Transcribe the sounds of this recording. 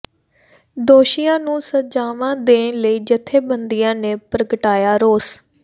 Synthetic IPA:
d̪oːʃijãːnũːsəd͡ʒaːʋãːd̪ẽːləiːd͡ʒət̪ʰːeːbənd̪ijãːneːpɾəkʈaːjaːɾoːs

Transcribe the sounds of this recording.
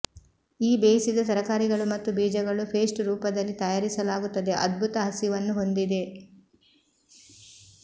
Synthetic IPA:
iːbeːsid̪ɐt̪ɐɾɐkaːɾiɡɐɭumɐt̪ːubiːd͡ʒɐɡɐɭupʰeːsʈɾuːpɐd̪ɐlːit̪ɐjaːɾisɐlaːɡut̪ːɐd̪e̞ʔɐd̪̚bʱut̪ɐɦɐsiʋɐnːuɦo̞nd̪id̪e̞

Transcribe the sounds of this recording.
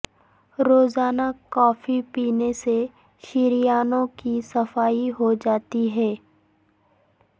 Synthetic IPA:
ɾoːzaːnakɔːfipiːnese | ʃɪɾijaːnõkisɐfaːiɦod͡ʒaːt̪iɦɛː

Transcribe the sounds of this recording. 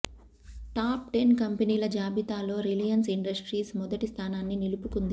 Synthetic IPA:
ʈaːp̚ʈenkɐmpɐniːlɐd͡ʒaːbit̪aːlo̞ːɾilijɐnsiɳɖɐsʈɾiːsmɔd̪ɐʈist̪ʰaːnaːnːinilupukund̪i

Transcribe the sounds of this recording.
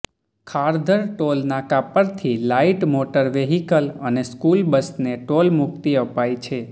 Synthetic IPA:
kʰaɾd̪ʱəɾʈolnakapəɾt̪ʰilaiʈmoʈəɾʋeɦikələneskulbəsneʈolmukt̪iəpajt͡ʃʰe

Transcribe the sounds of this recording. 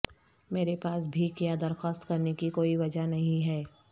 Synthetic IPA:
meːɾepaːs̬bʱikijad̪ɐɾxaːst̪kɐɾnekikoːiʋɐd͡ʒanɐɦĩɦɛː

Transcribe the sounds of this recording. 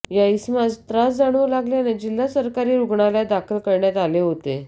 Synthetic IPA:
jaismad͡zt̪ɾasd͡zaɽ̃əlaɡlened͡ʑil̤ːasəɾkaɾiːɾuɡɳaljad̪akʰəlkəɾɳjat̪aleɦot̪e

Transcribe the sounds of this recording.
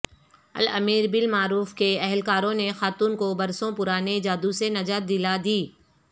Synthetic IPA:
ɐ̰lɐ̰miːɾbɪlmaːɾuːfkeɛɦlkaːɾõnexaːt̪uːnkobɐɾsõpʊɾaːned͡ʒaːd̪usenɐd͡ʒaːt̪̚d̪ɪlad̪iː

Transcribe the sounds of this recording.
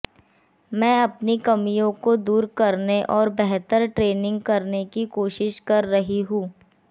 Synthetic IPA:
mɛ̃ːɐpnikɐmijõkod̪uːɾkɐɾneʔɔːɾbɛɦt̪əɾʈɾeːnɪ̃ŋɡkɐɾnekikoːʃɪʃkɐɾːɐɦiɦũː

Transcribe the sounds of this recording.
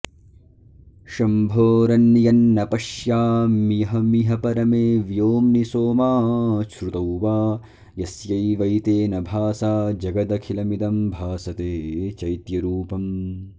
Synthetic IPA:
ʃɐmbʱoːɾɐnːjɐnːɐpɐʃjaːmijɐɦɐmiɦɐpɐɾɐmeːʋjoːmnisoːmaːʃɾut̪ɐwʋaː | jɐsjɐjʋɐjt̪eːnɐbʱaːsaːd͡ʒɐɡɐd̪ɐkʰilɐmid̪ɐmbʱaːsɐt̪eːt͡ʃɐjt̪jɐɾuːpɐm

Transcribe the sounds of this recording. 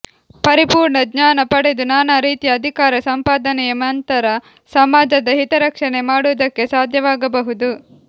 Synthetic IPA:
pɐɾipuːɾɳɐɡɲaːnɐpɐɽed̪unaːnɐɾiːt̪ijɐːd̪ʱikaːɾɐsɐmpaːd̪ɐnɛjɐmnt̪ɐɾɐ | sɐmaːd͡ʒɐd̪ɐɦit̪ɐɾɐkʂɐɳe̞maːɽuʋɐd̪ɐkːe̞saːd̪ʱjɐʋaːɡɐbɐɦud̪u

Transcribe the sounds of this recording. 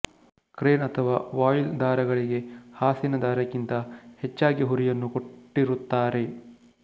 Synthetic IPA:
kɾeːnɐt̪ʰɐʋaːʋaːjild̪aːɾɐɡɐɭiɡe̞haːsinɐd̪aːɾɐkint̪ɐhet͡ʃːaːɡiɦuɾijɐnːuko̞ʈːiɾut̪ːaːɾe̞

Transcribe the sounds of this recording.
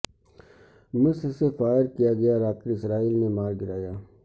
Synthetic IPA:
mʊssefaːjəɾkijaɡɐjaɾaːkɪɾɪsɾaːiːlnemaːɾɡɪɾaːjaː

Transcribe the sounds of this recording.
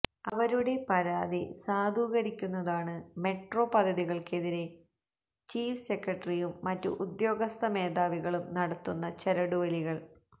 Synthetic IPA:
ɐʋɐɾuɽe̞pɐɾaːd̪ḭsaːd̪ʱuːɣɐɾikʲːunːɐðaːɳɨme̞ʈro̞ːpɐd̪ʱːɐðiɣɐɭke̞ðiɾe̞ | t͡ɕiːfse̞krɐʈːrijumːɐtːṵʔud̪jo̞ːɡɐst̪ɐmeːðaːʋiɣɐɭumnɐɽɐt̪ːunːɐt͡ɕeɾɐɽuʋɐliɣɐɭ

